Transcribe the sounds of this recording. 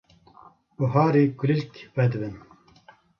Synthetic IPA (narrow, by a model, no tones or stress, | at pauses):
uɦaːɾiːkulilkwɛd̪ɨbɨn